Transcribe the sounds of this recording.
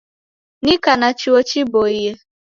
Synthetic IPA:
nɪkanat͡ʃiot͡ʃiboiɦe

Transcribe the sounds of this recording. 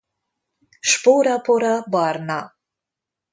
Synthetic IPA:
ʃpoɾapʰoɾabɑɾna

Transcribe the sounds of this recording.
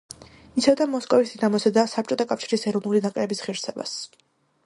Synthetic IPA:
isʰɛvd̪amɔskʼɔvisinamɔsɛd̪asap̚t͡ʃʼɔt̪ʰakʼafʃi̥ɾisɛɾɔvnulid̪akʼɾɛbisʁiɾsɛba̰s

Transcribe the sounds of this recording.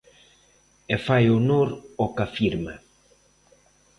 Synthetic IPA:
efajonoɾokafiɾma

